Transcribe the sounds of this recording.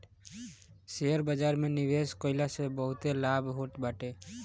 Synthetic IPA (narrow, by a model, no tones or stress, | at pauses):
seəɾbəd͡ʒaɾmeniʋeskoɪlasebəɦʊt̪elabʱɦoʈbaʈe